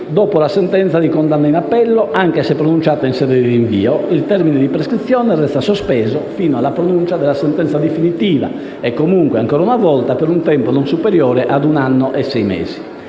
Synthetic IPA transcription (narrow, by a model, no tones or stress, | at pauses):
d̪ɔːpolasɛnt̪ɛnt̪sad̪ikond̪anːainapːɛlːɔʔaŋk̟esɛpːɾonunt͡ʃaːt̪ainsɛːd̪ed̪iiɱvḭːoilt̪ɛɾminɛd̪ipɾeskɾit̪sːjɔːnɛrɛst̪asospɛːzofiːnoalːapɾonunt͡ʃad̪ɛlasɛnt̪ɛnsad̪efinit̪iːva̰ | ɛkːomuŋkwɛaŋkɔːɾaunavɔlt̪apeɾunt̪ɛmponɔnsupeɾjɔːɾɛʔad̪unanːɔʔɛsːɛjmɛ̰ːz̥i